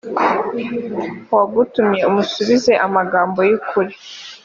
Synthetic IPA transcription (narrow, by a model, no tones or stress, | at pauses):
waɡutumɲe̞umusuβize̞ʔamaɡaːmbo̞jukuɾi